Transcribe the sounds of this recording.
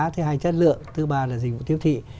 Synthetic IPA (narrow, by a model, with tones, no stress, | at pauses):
t̪ʰə˨˦ɦaː˧jt͡ɕə˦˥t̚lɨ̰˧˨əŋt̪ɨ˧˦ɓaː˧˩laː˨˩zi̟˨˩vṵ˧˨t̪i˦əwt̪ʰḭ˧˨